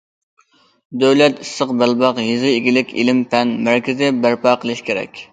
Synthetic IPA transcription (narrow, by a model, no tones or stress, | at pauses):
d̪øwlɛt̪isːəqbælbɑqjizɨeɡʲilɪkʲḭlɪmpʰɛnmæɾkʲizɪbæɾpɑːqʰəlˠɨʃkʲʰeɾɛ̰kʲ